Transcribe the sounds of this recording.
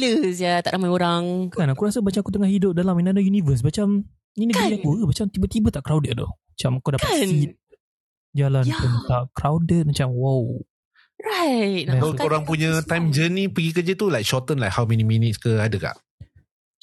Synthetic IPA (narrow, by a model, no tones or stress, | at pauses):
ləsjat̪a̰ʔamajoɾaŋkanakuɾasəbat͡ʃamakut̪əŋahidʊp̚dalaminadajunivəs̬bat͡ʃam | ninəɡɡɾiiãkuɾəbat͡ʃamt̪ibət̪ibət̪aʔkɾawdət̪̚dɔ̰hmat͡ʃamakawdaait̪̚ | d͡ʒalanpunt̪aʔkɾawdət̪̚mat͡ʃamwaw | ɹaɪt̚naoɾaŋpuɲət̪ãjmd͡ʒənipəɡikəd͡ʒət̪ulajk̚ʃɔt̪ənlajkhawmɛniminitskəadəka̰ʔ